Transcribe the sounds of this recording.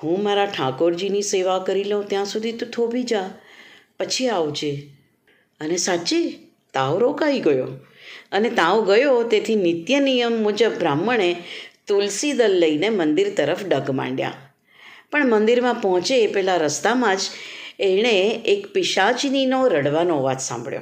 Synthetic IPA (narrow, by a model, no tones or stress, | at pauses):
ɦũmaɾaʈʰakoɾd͡ʒiniseʋakəɾiləũt̪jãsud̪ʱit̪ot̪ʰobʱid͡ʒa | pət͡ʃʰiaʋd͡ʒe | ənesat͡ʃe | t̪aoɾokaʋiɡəjo | ənet̪ãõɡəjot̪et̪ʰinɪt̪jənijəmːud͡ʒəbːɾamːəɳ̃et̪ulsid̪əlːəinemənd̪iɾt̪əɾəfɖəɡmã̰ɳɖja̰ | pəɳmənd̪iɾmãpɔɦt͡ʃepɛɦlaɾəst̪amãd͡ʒeɽ̃eekpɪʃat͡ʃninoɾəɽʋanoʋat̪sã̰mbɭjo̰